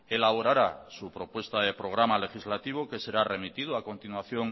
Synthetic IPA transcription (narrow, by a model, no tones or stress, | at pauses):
elaβ̞oɾaɾasupɾo̞pwe̞st̪aðe̞pɾo̞ɣ̞ɾamale̞xizlat̪iβ̞oke̞se̞ɾare̞mit̪iðoako̞nt̪inwaθjo̞ŋ